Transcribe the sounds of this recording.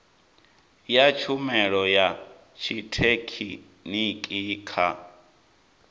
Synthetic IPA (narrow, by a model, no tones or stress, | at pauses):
jat͡ʃʰumɛɺɔja | t͡ʃʰitʰekʰḭ | nikʼiːkʰa̰